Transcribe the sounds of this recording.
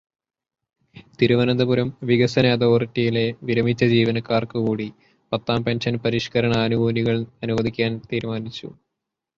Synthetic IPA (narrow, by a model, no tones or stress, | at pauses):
t̪iɾuʋɐnɐnd̪ɐbuɾɐmʋiɡɐsɐneːd̪oritːijile̞ʋiɾɐmit͡ɕːɐd͡ʑiːʋɐnɐkːaːrkɨkuːɽi | pɐt̪ːaːmpenʂɐnpɐɾiʂkɐɾɐɳɐːnuɡuːniɣɐɭɐnuʋɐd̪ʱikʲːaːnt̪iːɾmaːnit͡ɕːṵ